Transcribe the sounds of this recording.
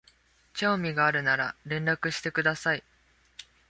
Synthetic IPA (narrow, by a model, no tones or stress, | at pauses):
t͡ɕoːmʲiɡaːɾɯ̟naɾa̰ɾẽ̞nɾakɯ̟ɕi̥t̪e̞kɯ̟d̪asai